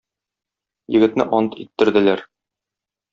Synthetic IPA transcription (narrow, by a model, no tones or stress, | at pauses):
jɘ̆ɡɘ̆t̪nɘʔɒnɤt̪it̪ːɘ̆ɾd̪ɘ̆læɾ